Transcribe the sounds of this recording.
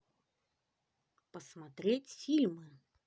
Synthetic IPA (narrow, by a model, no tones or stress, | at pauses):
pəsmat̪ɾʲet͡sʲfʲilʲmɨ